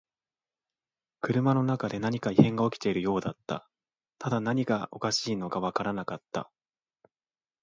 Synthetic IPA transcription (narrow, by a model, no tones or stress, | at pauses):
kɯ̟ɾɯ̟mano̞nakad̪e̞naɲ̟ikaihẽ̞ŋɡao̞kʲi̥t̪e̞iɾɯ̟jo̞ːd̪at̪ːa̰ | t̪ad̪anaɲ̟iɡao̞̰kaɕiːno̞ɡaβakaɾanakat̪ːa̰